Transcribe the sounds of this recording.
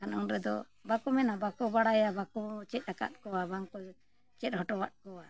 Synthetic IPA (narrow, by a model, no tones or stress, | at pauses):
kanɔŋɾɛd̪ɔ | bakɔmɛnabakɔbaɽajabakɔt͡ʃɛt̪̚ˀaka̰t̪̚kɔwabaŋkɔ | t͡ʃɛt̪̚hɔʈɔwat̪̚kɔwa